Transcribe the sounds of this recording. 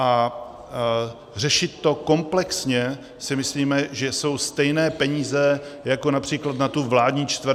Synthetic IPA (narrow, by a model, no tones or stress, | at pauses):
ʔa | rɛʃɪt̪ːo̞ko̞mplɛksɲɛ | sɪmɪsliːmɛʒɛso̞wst̪ɛjnɛːpɛɲiːzɛjakonapr̥iːklat̪nat̪uvlaːdɲiːt͡ʃt̪vɾ